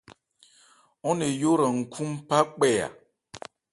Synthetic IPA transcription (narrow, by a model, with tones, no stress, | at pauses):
ɔ˦ne˨jo˦ɾə˨ŋ̩˨kʰu˦mpa˦k͡pɛ˦˨ja̰˨